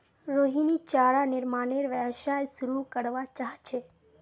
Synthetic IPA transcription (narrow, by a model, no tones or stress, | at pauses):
ɾoɦinit͡ʃaɭanɪɾmaneɾʋəʋʃajsuɾukəɽʋat͡ʃaɦt͡ʃʰe